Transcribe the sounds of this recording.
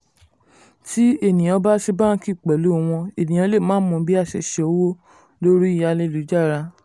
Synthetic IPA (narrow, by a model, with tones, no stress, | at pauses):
ti˦e˦˨nĩ˨j̃ɔ̃˨˧˦ba˦ʃi˧˦bã˦˧˦ki˦˨k͡pɛ˨lu˨˦˨w̃ɔ̃˧e˨nĩ˨j̃ã˧˦le˦˨mãː˦mɔ̃˧˦bi˦a˦˨ʃɛ˧˨ʃɛ˨o˧˦wo˦ | lo˦ɾi˦i˦˨ja˧le˧˦˨lu˨˦d͡ʒa˦˨ɾa˧